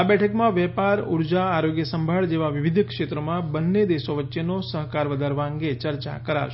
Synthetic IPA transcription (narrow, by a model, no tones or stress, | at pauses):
abɛʈʰəkmãʋɛpaɾuɾd͡ʒaːɾoɡjəsəmbʱaɭd͡ʒeʋaʋiʋid̪kʃet̪ɾəmãbənːed̪eʃoʋətːʃjenosəɦkaɾʋəd̪ʱaɾʋaəŋɡet͡ʃəɾt͡ʃa̰kəɾa̰ɾʃ